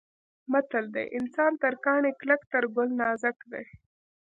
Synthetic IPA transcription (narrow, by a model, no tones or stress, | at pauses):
mat̪əld̪ḛjʔɪnsɑnt̪əɾkɑɳekləkt̪əɾɡʊlnɑzakd̪e